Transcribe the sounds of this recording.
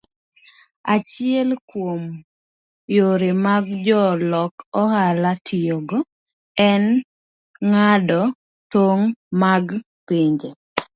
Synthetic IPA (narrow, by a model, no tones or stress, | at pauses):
at͡ʃɪɛlkwom | joɾemaɡd͡ʒɔlɔkɔhalatʰɪjoɡo | ɛn | ŋadɔ | toŋmaɡ | piɲd͡ʒe